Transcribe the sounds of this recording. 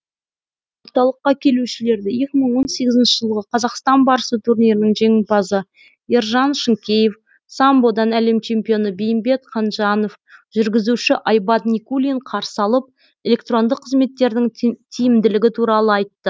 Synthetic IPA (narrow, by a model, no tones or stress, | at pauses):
wo̞ɾt̪ɑlˠəqːɑkʲʰe̞luʃɪle̞ɾd̪ɪje̞kʲɪməɴwo̞nse̞ɡʲɪzɪnʃɪʒəlˠʁəqʰɑzɑqst̪ɑnbɑɾəsət̪ʰurnijɾɪnəŋʒe̞ŋɪpɑzə | iɾʒɑnʃəŋkʲe̞jef | sɑmbo̞d̪ɑnæle̞mt͡ʃʰe̞mpʲijo̞nəbejɪmbe̞t̪qʰɑnʒɑno̞f | ʒʏɾɡʲɪzuʃɪʔɑjbɑt̪nikulʲiɴqʰɑɾsɑlˠəp̚ | e̞lʲe̞kt̪ro̞nd̪əqʰːəzme̞t̪ːe̞ɾd̪ɪŋt̪ʰijɪmd̪ɪlɪɡʲɪt̪ʰuɾɑlˠəɑjt̪ːə